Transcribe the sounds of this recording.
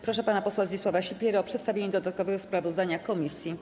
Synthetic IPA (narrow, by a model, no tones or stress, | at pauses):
pɾɔʂɛpanapɔswazɲʲiswavaɕipʲjɛɾaɔpʂɛt̪st̪avʲeɲɛd̪ɔd̪at̪̚kɔvɛɡɔspɾavɔzd̪aɲakɔmʲisʲji